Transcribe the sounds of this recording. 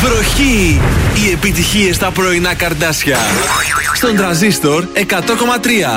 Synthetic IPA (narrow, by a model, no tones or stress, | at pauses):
vɾoçiː | e̞pit̪içiest̪ɐpɾoinɐkɐɾd̪ɐsçɐ | st̪ond̪ɾɐnzist̪oɾe̞kɐt̪o̞ko̞mɐt̪ɾiɐ